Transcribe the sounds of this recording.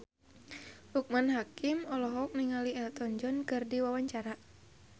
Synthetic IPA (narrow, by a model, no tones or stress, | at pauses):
huk̚manɦakimɔlɔɦɔk̚niŋaliɛlt̪ɔɲd͡ʒɔnkɨrdiwawaɲt͡ʃaɾa